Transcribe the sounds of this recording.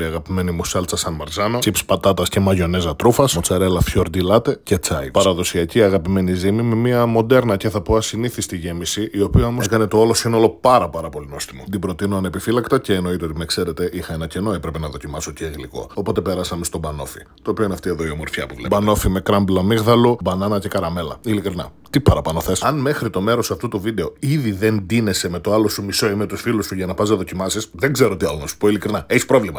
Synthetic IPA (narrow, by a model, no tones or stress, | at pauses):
iɐɣɐpime̞nimusɐlt͡sɐsɐnmɐɾzɐno̞t͡sipspɐt̪ɐt̪ɐsce̞mɐʝo̞nezɐt̪ɾufɐsot͡sɐɾelɐfçoɾd̪ilɐt̪e̞ce̞t͡sɐipɐɾɐðo̞siɐciɐɣɐpime̞nizimime̞miɐmo̞d̪e̞ɾnɐce̞θɐpoɐsiniθist̪iʝe̞misiʔio̞pioɐmoskɐne̞t̪o̞olo̞sinolo̞pɐɾɐpɐɾɐpo̞linost̪imod̪ibɾo̞t̪inoɐnepifilɐkt̪ɐce̞ːno̞it̪eot̪imekse̞ɾe̞t̪e̞ʔixɐenɐce̞no̞e̞pɾepe̞nɐðo̞cimɐso̞ceːɣliko̞̰opo̞t̪e̞pe̞ɾɐsɐme̞st̪o̞bɐno̞̰fi | t̪o̞ːpio̞ineɐft̪ie̞ðoio̞mo̞ɾfçɐ̰puvlebɐno̞fime̞kɾɐmblomiɣðɐlobɐnɐnɐce̞kɐɾɐme̞lɐilikɾinɐ̰t̪ipɐɾɐpɐnoθe̞sɐnme̞xɾit̪o̞me̞ɾo̞sɐft̪ut̪uvid̪e̞o̞iðiðe̞nd̪ine̞se̞met̪o̞ɐlo̞sumiso̞imet̪usfilusuʝɐnɐpɐznɐðo̞cimɐsisðeŋɡze̞ɾo̞t̪iɐlonɐsu̥po̞ilikɾinɐeçispɾo̞vlimɐ